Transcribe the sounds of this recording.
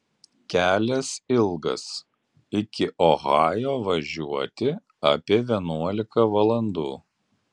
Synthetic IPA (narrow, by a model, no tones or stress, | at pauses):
kʲæːlʲɛsɪlˠɡɐ̰s | ɪkʲɪʔoɣɑːjoːʋɐʒʲuɔt̪ʲɪ | ɐ̰pʲiɛʋʲiɛnuɔlʲɪkɐʋɐlˠɐnd̪uː